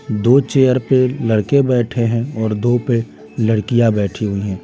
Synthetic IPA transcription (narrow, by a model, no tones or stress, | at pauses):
d̪oːt͡ʃeːjəɾpelɐɽkebɛːʈʰeɦɛ̃ɔːɾd̪oːpe | ləɽkijabɛːʈʰiɦʊiɦɛ̃ː